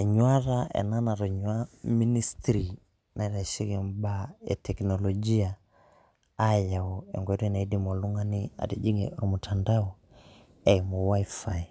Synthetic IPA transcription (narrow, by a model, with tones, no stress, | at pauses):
ɲwa˦ɾaɛ̰na˦na˨ɾɔ˨ɲwa˦mi˦ni˦stɾi˨ | nʔa˨i˦ɾa˨ʃi˦kɛ˨mbaɛ̰˨tʰɛknɔlɔd͡ʒi˦aː˦ | ja˨ɔɛ̰˨ŋɡwɛ˨˦ɾi˦na˨i˦di˨mɔ˨lu˦ŋa˦ni˦a̰˨ti˨d͡ʒi˦ŋɛ̰ɾɔ˨mu˨tʰanda˦ɔ | ɛ˨jmu˨wa˦ifa˨i˨